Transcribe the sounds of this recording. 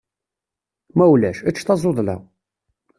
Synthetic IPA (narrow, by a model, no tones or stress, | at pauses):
mæwlæʃæt͡ʃːθɑzˤoðˤlæ̰